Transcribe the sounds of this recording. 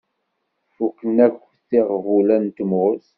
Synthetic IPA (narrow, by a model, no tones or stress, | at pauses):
fukːənækː | θiʁvulænt̪əmʊs